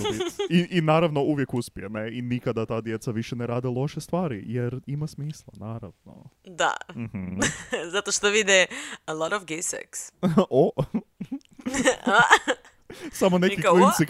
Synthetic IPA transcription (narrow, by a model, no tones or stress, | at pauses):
iʔinaːɾaʋno̞uʋjekuspiemeinikad̪at̪aːd̪jet̪saʋiʃeneɾaːd̪ilˠo̞ʃest̪ʋaːɾijeɾimasmiːslˠa̰naːɾa̰ʋno̰d̪a̰m̩hm̩zat̪oʃt̪oʋid̪iəlˠɔɾɔfɡesɛ̰kso | a | samonekilintsi